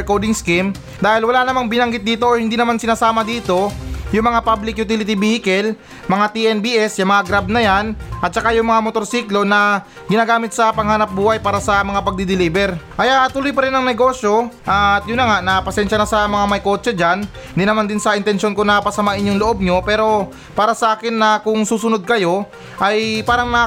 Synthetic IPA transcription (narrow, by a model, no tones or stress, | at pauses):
kowd̪ɪŋskim | d̪aːhɪlwɐlanɐmaŋbɪnɐŋɡɪt̪̚d̪iːt̪o̞ʔohɪnd̪iːnɐmansɪnaːsaːmɐd̪iːt̪o̞jʊŋmɐŋapablɪk̚jʊt̪ilɪt̪ibihɪkɛl | mɐŋat̪iʔɛnbiːʔɛsjɐmɐŋaɡɾab̚nɐjanʔɐt̪̚t͡ʃɐkajʊŋmɐŋamot̪o̞ɾsiːklo̞nɐ | ɡɪnaːɡaːmɪt̪sɐpɐŋhaːnɐp̚buːhɐjpaːɾɐsɐmɐŋapɐɡ̚d̪id̪ɪliːbɛɾʔɐjat̪ʊlojpɐɾɪnːɐŋnɛɡo̞sjo̞ʔaɐt̪̚jʊnːɐŋaʔnɐpɐsɛnʃɐnɐsɐmɐŋamɐjko̞ːt͡ʃɛd͡ʒan | nd̪inɐmand̪ɪnsɐʔɪnt̪ɛnʃjo̞nkonɐpɐsɐmaʔɪnjʊŋloʔo̞b̚ɲo̞pɛːɾo̞ | paːɾɐsɐʔaːkɪnːɐkʊŋsuːsʊnod̪̚kɐjo̞ | ʔɐjpaːɾɐŋnɐ